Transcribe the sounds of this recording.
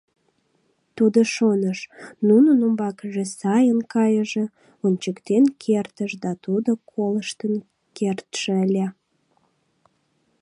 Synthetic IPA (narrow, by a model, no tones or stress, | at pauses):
t̪ud̪oʃonəʃnunənumbɑkəʒesɑjənkɑjəʒĕ | onʲt͡ɕəkt̪enkʰert̪əʃd̪ɑt̪ud̪okʰoləʃt̪ən | kert̪ʃeəlʲæ